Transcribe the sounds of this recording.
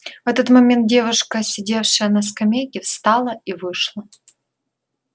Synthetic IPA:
vɛt̪ət̪mɐmʲent̪̚dʲevʊʂkəsʲɪdʲefʂɨjənɐskɐmʲejkʲɪfst̪ɑlˠəivɨʂlˠə

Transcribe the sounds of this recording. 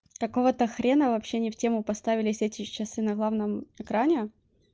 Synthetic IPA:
kɐko̞vət̪əxɾʲe̞nəvɐpɕːenʲɪftʲe̞mʊpɐst̪avʲɪlʲɪsʲɛtʲɪt͡ɕɪsɨnɐɡlˠavnəmɨkɾanʲɪ

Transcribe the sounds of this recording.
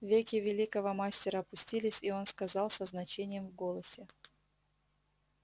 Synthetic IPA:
vʲekʲɪvʲɪlʲikəvəmasʲtʲɪɾəɐpʊsʲtʲilʲɪsʲio̞nskɐzɑlˠsəznɐt͡ɕenʲɪjəmvɡolˠəsʲɪ

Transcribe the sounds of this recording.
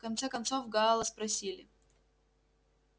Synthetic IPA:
kɐnt̪sɛkɐnt̪sovɡaːlˠəspɾɐsʲilʲɪ

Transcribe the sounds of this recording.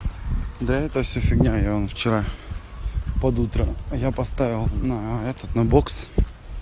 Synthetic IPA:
d̪əɛt̪əfsʲɵfʲɪɡnʲajaonft͡ɕɪɾa | pɐd̪ut̪ɾəjapɐst̪avʲɪlˠnɐɛt̪ət̪nɐboks

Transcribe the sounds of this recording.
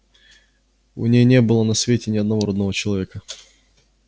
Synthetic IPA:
ʊ̰nʲejnʲebɨlˠənɐsvʲetʲɪnʲɪɐd̪nɐvoɾɐd̪nəvot͡ɕɪlˠɐvʲekə

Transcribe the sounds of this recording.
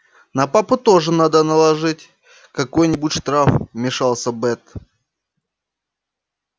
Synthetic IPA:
nɐpapʊt̪o̞ʐɨnad̪ənəlˠɐʐɨtʲ | kɐko̞jnʲɪbʊtʲʂt̪ɾafmʲɪʂalˠsʲəbɛt̪

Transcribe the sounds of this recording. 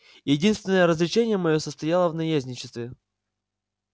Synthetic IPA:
jɪdʲinst̪vʲɪnəjəɾəzlʲɪt͡ɕenʲɪjəmɐjosəst̪ɐjalˠəvnɐjazʲnʲɪt͡ɕɪ̥st̪vʲɪ

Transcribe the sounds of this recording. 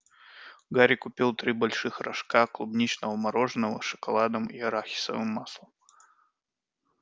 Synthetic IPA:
ɡaɾʲikupʲilˠt̪ɾɨbalʲʂɨxɾaʂkaklˠubnʲit͡ʃnɐvɐmaɾɔʐnəvɐ̰ʂɐ̥kalˠad̪ɐmiɐɾaxʲi̥sɐ̰vɨmːaslˠɐm

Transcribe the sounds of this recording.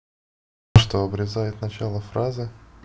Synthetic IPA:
ʂt̪oɐbɾʲɪzajɪt̪nɐt͡ɕalˠəfɾazɨ

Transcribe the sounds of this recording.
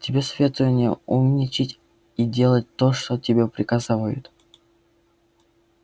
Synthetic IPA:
tʲɪbʲesvʲet̪ʊvənʲɪjəumnʲɪt͡ɕɪtʲ | idʲe̞lˠət̚ʲt̪oʂt̪otʲɪbʲepɾʲɪkazavəjʊ̰t̪

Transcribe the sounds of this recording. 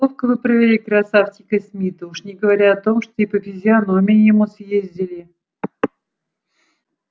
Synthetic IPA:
ofkəvɨpɾəvʲɪlʲikɾɐsaftʲɪkəsʲmʲit̪əuʂnʲɪɡəvɐɾʲaɐt̪o̞mʂt̪oipəfʲɪzʲɪɐno̞mʲɪjɪmusjezʲdʲɪlʲɪ

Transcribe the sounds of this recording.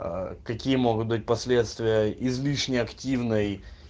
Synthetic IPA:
kɐkʲijəmo̞ɡʊt̪̚bɨt̚ʲpɐsʲlʲe̞t̪st̪vʲɪjəɪzlʲiʂnʲɪɐktʲivnɨj

